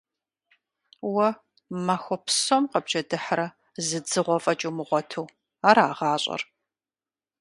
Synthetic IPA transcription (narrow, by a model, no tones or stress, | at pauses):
wɐ | maxʷɔpʰsomqɐbʒɐdɨħɾɐ | zɨd͡zɨʁʷɔfʼɐt͡ʃʼumɨʁʷɔtʰuː | aːɾaːʁɑːɕʼɐ̰r